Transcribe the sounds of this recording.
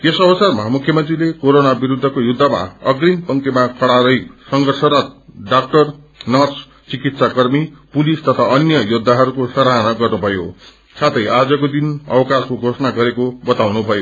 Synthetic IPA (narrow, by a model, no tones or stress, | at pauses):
jesʌbʌsarmʌɦamukʰjʌmʌnt̪rilekoɾonabiɾud̪ʱːʌkojud̪ʱːama̰ʌɡrimpʌŋkemakʌɽaɾʌjsʌŋɡʱʌrsʌɾʌt̪̚ɖak̚ʈʌr | nʌrs | t͡sikit̪sakʌrmipulist̪ʌt̪ʰaʌnjʌjud̪ʱːaɦʌɾukosʌɾanʌɡʌrnubʱʌjo̰ | sʰat̪ʰʌjad͡zʌkod̪inʌ̰wʌkaskoɡʱosʌnaɡʌɾekobʌt̪awnubʱʌjo